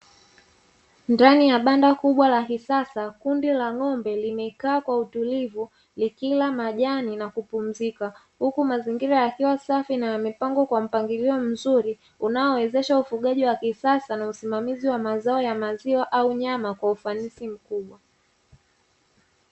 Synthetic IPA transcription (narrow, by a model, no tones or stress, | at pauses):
ndanijaɓandakuɓwalakisasakundilaŋɔmbɛlimɛkaːkwautulivu | likilamaʄaninakupum̩zika | hukumaziŋɡiɾajakiwasafinaamipaŋɡɔkwam̩paŋɡiliɔm̩zuɾi | unaɔwɛzɛʃaufuɠaʄiwakisasanausimamiziwamazaɔjamaziwaʔauɲamakwaufanisim̩kuɓwa